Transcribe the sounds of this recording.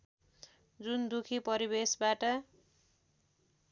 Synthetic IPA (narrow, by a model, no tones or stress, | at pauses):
d͡zund̪ukʰipʌɾibesbaʈʌ